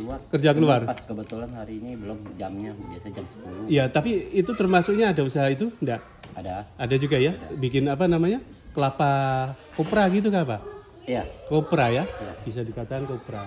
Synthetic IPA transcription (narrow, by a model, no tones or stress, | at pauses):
uakərd͡ʒakəluarpaskəbət̪ulanhaɾiːnibəlɔmd͡ʒamɲabiasad͡ʒamsə̥pulujat̪apiit̪ut̪ərmasʊk̚ɲaːdausaɦait̪̬undaʔ | adaadad͡ʒuɡajabik̬ɪnap̬anamaɲa | kəlapa | kopɾaɡit̪̬ukapa | jakopɾajajab̥is̬adikat̪akankopɾa